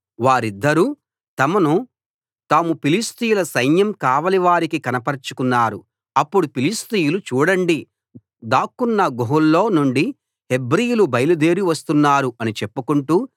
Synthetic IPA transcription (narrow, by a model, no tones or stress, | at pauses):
ʋaːɾid̪ːɐɾuː | t̪ɐmɐnu | t̪aːmupilist̪ijulɐsɐjnjɐmkaːʋɐliʋaːɾikikɐnɐpɐɾt͡ʃu̥kunːaːɾu | ɐpːuɽupilist̪ijulut͡ʃuːɽɐɳɖi | d̪aːkːunːɐɡoɦulːo̞ːnuɳɖi | he̞bɾijulubɐjɐlud̪e̞ːɾiʋɐst̪unːaːɾuɐnit͡ʃepːukuɳʈuː